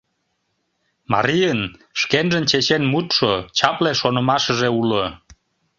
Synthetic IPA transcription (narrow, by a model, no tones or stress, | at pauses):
mɑ̰ɾijənʃkenʒənt͡ɕet͡ɕenmut̪ʃot͡ɕɑpleʃonəmɑʃəʒeulə